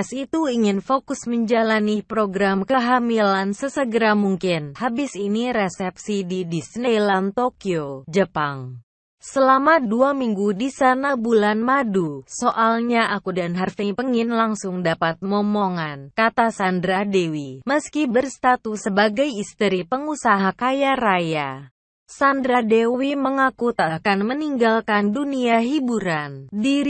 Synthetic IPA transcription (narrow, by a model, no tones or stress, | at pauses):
sit̪uiŋɪnfokʊsməɲd͡ʒalanipɾoɡɾamkəɦamilansəsəɡəɾamuŋkɪnhabɪsiniɾesɛp̚sididisnelant̪okiod͡ʒəpaŋ | səlamaduamiŋɡudisanabulanmadusoʔalɲaʔakudanɦarfiŋpəŋinlaŋsʊŋdapat̪̚mɔmɔŋankat̪asandɾadewiməskibərst̪at̪usəbaɡajist̪əɾipəŋusaɦakajaɾaja | sandɾadewiməŋakut̪akanməniŋɡalkanduniaɦibuɾandiɾ